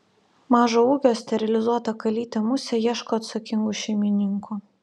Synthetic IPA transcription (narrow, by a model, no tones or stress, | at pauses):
mɑːʒoːuːɡʲoːsʲt̪ʲɛɾʲɪlʲɪzuɔt̪ɐkɐlʲiːt̪ʲemʊsʲɛjiɛʃkoːɐt̪sɐkʲɪŋɡuʃʲɛɪmʲɪnʲɪŋku